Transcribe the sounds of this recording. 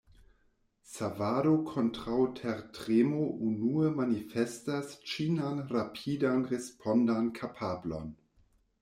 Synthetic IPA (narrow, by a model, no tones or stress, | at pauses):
savadokʰontɾawtʰeɾtʁemoʔunuemanifestast͡ʃinanɾapʰidanɾespʰondankʰapʰaːblo̰n